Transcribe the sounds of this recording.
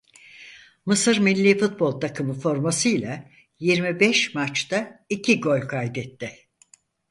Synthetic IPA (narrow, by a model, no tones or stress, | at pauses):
mɯsɯɾmilʲːiːfut̪̚bo̞lˠt̪ʰakʰɯmɯfo̞ɾmasɯjlʲˠa | jiɾmibɛʃmat͡ʃt̪aicʰiɡo̞lʲkʰajd̪ɛt̪ːɪ